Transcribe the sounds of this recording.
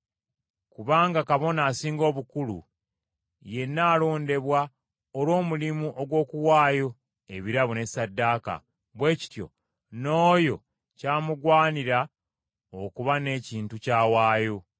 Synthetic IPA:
kuβaːŋɡakaβo̞naːsiːŋɡo̞ːβukulṵ | je̞nːaːlo̞ːnde̞βwa | olwo̞ːmulimuʔo̞ɡwo̞ːkuwaːjo̞ | e̞βiɾaβune̞sadːaːka̰ | βwe̞ːci̥tjo̞̰ | no̞ːjo̞ | caːmuɡwaːniɾa | okuβane̞ːciːntucaːwaːjo̞

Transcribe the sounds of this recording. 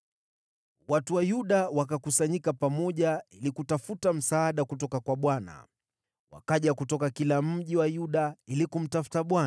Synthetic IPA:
watuwajuɗawakakusaɲikapamɔʄailikutafutam̩saːɗakutɔkakwaɓwana̰ | wa̰kaʄakutɔkakilam̩ʄiwajuɗailikum̩tafu̥taɓwan

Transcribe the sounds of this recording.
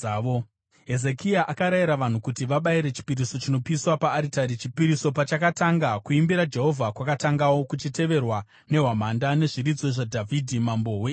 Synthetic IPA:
o | ɦe̞zekiaʔakaɾaiɾaʋan̤ukutiʋaɓaiɾe̞t͡ʃi̥piɾiso̞t͡ʃino̞piswapaːɾitaɾiipiɾiso̞pat͡ʃakataŋɡakuimbiɾad͡ʒe̞ɦo̞vʱakwakataŋɡawo̞kut͡ʃite̞ʋe̞rwa | ne̞ɦwamandane̞ʐiɾid͡zo̞ʐadʱavʱidʱimambo̞ɦwe

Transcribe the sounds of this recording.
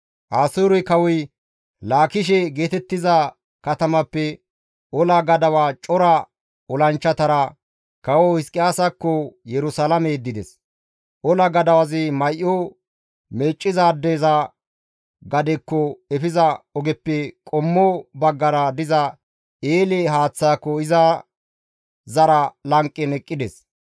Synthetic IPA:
ʔaːsoːɾɔjkɐwɔj | laːkɪʃ̬ɛɡe̞ːt̪ɛt̪ːɪzɐ | kɐt̪ɐmɐpːɛ | ʔɔlɐɡɐd̪ɐwaːt͡ʃʼɔɾɐ | ɔlɐnt͡ʃːɐt̪ɐɾɐ | kɐwɔhɪskʼːɪjaːsɐkːɔjɛɾʊsalɐmed̪ːɪd̪ɛs | ʔɔlɐɡɐd̪ɐwɐzɪmɐjʔːɔ | me̞ːt͡ʃʼːɪzaːd̪ːeːzɐ | ɡɐd̪ɛkːɔɛfɪzɐɔɡɛpːɛkʼɔmːɔbɐɡːɐɾɐd̪ɪzɐ | eːlɛɦaːt͡sːaːkːɔɪzɐ | zɐɾɐlɐŋkʼːɛnɛkʼːɪd̪ɛs

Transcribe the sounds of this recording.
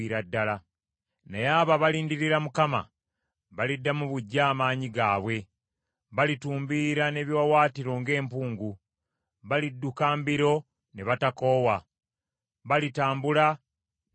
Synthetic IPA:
iɾadːala | nejaːβaβaliːndiɾiɾamukama̰ | βalidːamuβuɟːaːmaːɲiɡaːβwe̞ | βalituːmbiːɾane̞βjwawaːtiɾo̞ŋɡe̞ːmpuːŋɡu | βalidːukaːmbiɾo̞ | neβatako̞ːwa | βalitaːmbula

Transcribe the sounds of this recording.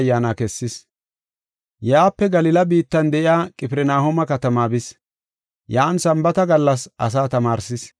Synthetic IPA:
jːaːnakɛsːɪs | jaːpːɛɡɐlɪlɐbiːt̪ːɐnd̪ɛʔɪjaːkʼɪpɪɾɛnaːhomɐkɐt̪ɐmaːbɪs | jaːnsɐmbɐt̪ɐɡɐlːɐsʔɐs̬aːt̪ɐmaːɾsɪs

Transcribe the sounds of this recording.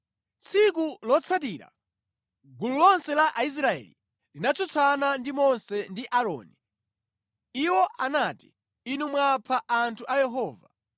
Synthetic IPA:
t͡sʰikulɔt͡sʰat̬iːɾa̰ | ɡululɔnsɛlaʔais̬ɾaɛ̰li | linat͡sʰɔt͡sʰanandimɔnsɛndiʔaɾɔ̰ːni | iwɔʔanati̥ | inumwapʰaʔantʰuʔajɛɦɔːva

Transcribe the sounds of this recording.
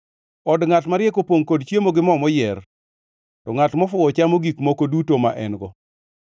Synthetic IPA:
ɔdŋatmaɾjɛkopoŋkodt͡ʃjemoɡɪmɔmɔjɛr | tɔŋatmɔfʊɔt͡ʃamoɡikmokodutomaʔɛ̰nɡɔ

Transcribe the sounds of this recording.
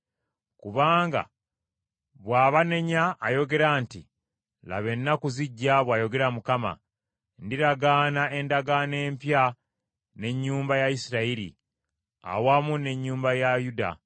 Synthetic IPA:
kuβaːŋɡa̰ | βwaːβane̞ɲaːjo̞ɡe̞ɾaːnti | la̰βe̞nːakuziɟːaβwaːjo̞ɡe̞ɾamukama̰ | ndiɾaɡaːnae̞ndaɡane̞ːmpja | ne̞ɲːuːmbajaisiɾaiɾḭ | a̰wamune̞ɲːuːmbajajuda̰

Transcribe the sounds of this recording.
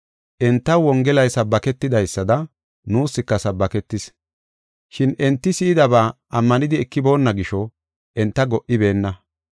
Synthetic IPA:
ʔɛnt̪ːɐwɔŋɡɛlɐjsɐbːɐkɛt̪ːɪd̪ɐjsːɐd̪ɐ | nuːsːɪkːɐsɐbːɐkɛt̪ːɪs | ʃɪnɛnt̪ːɪsɪːd̪ɐbaːʔɐmːɐnɪd̪ɪɛkːɪbo̞ːnːɐɡɪʃɔ | ʔɛnt̪ːɐɡɔʔɪbe̞ːnːɐ

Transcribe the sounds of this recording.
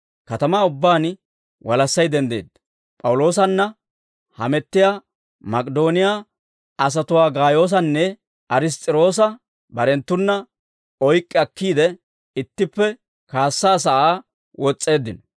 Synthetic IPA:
kɐt̪ɐmaːʊbːaːn | wɐlɐsːɐjd̪ɛnd̪ḛːd̪ɐ̥ | pʼɐwʊlo̞ːs̬ɐnːɐ | hɐ̰mɛt̪ːɪjaː | mɐkʼɛd̪o̞ːnɪjaː | ɐs̬ɐt̪ʊwaːɡaːjo̞ːs̬ɐnːɛ | ʔɐɾɪs̬t̪ʼɪɾo̞ːs̬ɐ | bɐɾɛnt̪ːʊnːɐ | ɔjkʼːɪɐkːiːd̪ɛ | ɪt̪ːɪpːɛ | kaːsːaːs̬ɐʔaː | wɔt͡sʼːe̞ːd̪ːɪn

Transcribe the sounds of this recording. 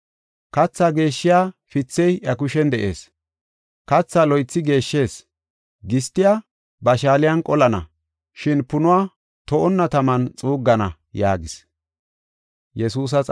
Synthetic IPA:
kɐt͡sːaːɡe̞ːʃːɪjaːfɪt͡sːɛjʔɐkʊʃɛnd̪ɛʔḛːs | kɐt͡sːaːlɔjt͡sːɪɡe̞ːʃːe̞ːs | ɡɪst̪ːɪjaː | bɐʃaːlɪjɐnkʼɔlɐnɐ̰ | ʃɪnpʊnʊwaː | t̪ɔʔɔnːɐt̪ɐmɐnt͡sʼuːɡːɐnɐ | ja̰ːɡɪs | jɛsuːs̬ɐt͡sʼ

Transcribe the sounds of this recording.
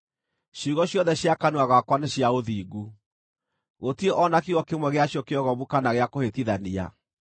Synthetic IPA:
ɕuɣɔɕjɔnðɛɕjakanuaɣwakwaneɕjaoðiːɡu | ɣotieʔɔnakiɣɔkemwɛɣeaɕjɔkeɔɣɔβukanaɣeakohetiðania̰

